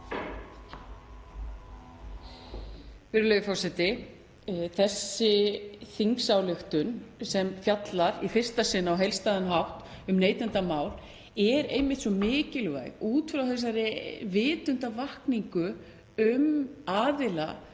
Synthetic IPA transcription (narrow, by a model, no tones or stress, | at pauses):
fɪɾʏlœjɪfɔsɛt̪ɪ | θɛsːɪθiŋksawlʏxt̪ʏnsɛmfjat̪laɾifɪr̥st̪asɪnːaawɦejlst̪aːðanɦawht̪ | ʏmneːjt̪ʏnt̪amaːwl | ɛɾejmɪht̪sɔmɪːcɪlva̰ːjɣuːt̪fɾawθɛs̬aɾɪvɪːt̪ʏnt̪avahkniŋkʏ | ʏmaːðɪla̰